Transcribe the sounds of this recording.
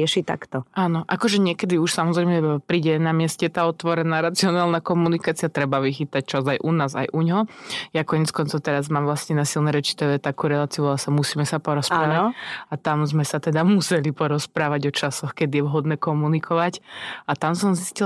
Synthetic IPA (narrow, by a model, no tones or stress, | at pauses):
ɛʃit̪a̰kt̪ɔaːnɔʔakɔʒɛɲɪɛkɛd̪iuʃsamɔzɾɛjmɛpɾiːɟɛnamɪɛscɛt̪aːɔt̪ʋɔɾɛnaːɾat͡siɔnaːlˠnakɔmunikaːt͡siat̪ɾɛbaʋixit̪ac̚t͡ʃazajʔunaːza̰jʔuɲɦɔjakɔɲɛt͡skɔnt͡sɔʊt̪ɛɾazmaːmʋlasɲɛnasilnɛɾɛt͡ʃi̥t̪ɛʋɛt̪akuːɾɛlaːt͡siulasamusiːmɛsapɔɾɔspɾaʋaat̪amzmɛsat̪ɛd̪amusɛlipɔɾɔspɾaːʋaɟɔt͡ʃasɔxkɛd̪ijɛʋɦɔd̪nɛːkɔmunikʰɔʋacat̪amsɔmziscil